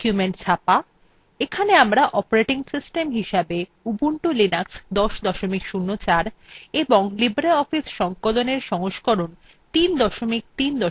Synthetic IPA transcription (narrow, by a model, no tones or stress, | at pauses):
kumeɳʈt͡ɕʰapa | ekʰaneamɾaʔɔpoɾeʈiŋsisʈemɦiʃabe | ubuɳʈulinaksd̪ɔʃd̪ɔʃomikʃunːot͡ɕaɾeboŋlibɾeɔfisʃɔŋkoloneɾʃɔɦoʃkoɾon | t̪ind̪ɔʃomik̚t̪ind̪ɔ